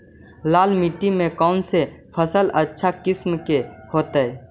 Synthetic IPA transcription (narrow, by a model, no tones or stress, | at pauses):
laːlmiʈimẽkɔːnsepʰəsələtːʃʰakɪsmkehoːt̪əɛ